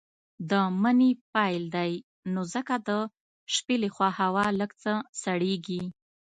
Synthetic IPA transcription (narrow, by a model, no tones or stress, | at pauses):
d̪əmənepɑjld̪aj | nozəkad̪ə | ʃpelexwɑhawɑləɡt͡səsaɽeɡi